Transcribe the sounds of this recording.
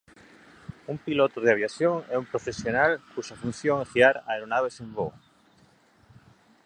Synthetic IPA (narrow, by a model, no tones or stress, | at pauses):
umpilot̪oð̞eaβ̞jaθjoŋɛumpɾofesjonalkuʃafun̟θjoŋɛxiaɾaeɾonaβesembo